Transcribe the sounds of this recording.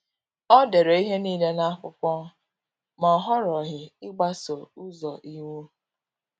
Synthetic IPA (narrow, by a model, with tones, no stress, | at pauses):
ɔ˦de˨ɾe˨i˦ɦe˦niː˦le˦na˦a˦kʷʊ˦kʷɔ˦ | mɔ˨ɦɔ˦ɾɔ˨ɦɪ˨ɪ˦ɡ͡ba˦so˨u˦zɔ˨ʔi˦wu˦